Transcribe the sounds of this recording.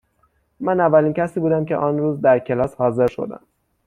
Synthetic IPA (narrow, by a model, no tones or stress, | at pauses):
mænævːæliːncʰæsiːbuːd̪æmce̞̰ʔɒːnɾuːzd̪æɾcʰe̞lɒːshɒːze̞ɾʃo̞̰d̪æ̰m